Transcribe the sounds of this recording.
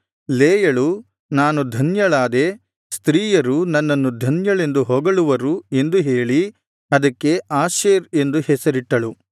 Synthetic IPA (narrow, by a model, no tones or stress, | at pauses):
leːjɐɭu | naːnud̪ʱɐnjɐɭaːd̪e̞ | st̪ɾiːjɐɾunɐnːɐnːud̪ʱɐnjɐɭe̞nd̪uɦɔːɡɐɭuʋɐɾue̞nd̪uɦeːɭi | ɐd̪ɐkːe̞aːʃeːɾe̞nd̪uhɛsɐɾiʈːɐɭu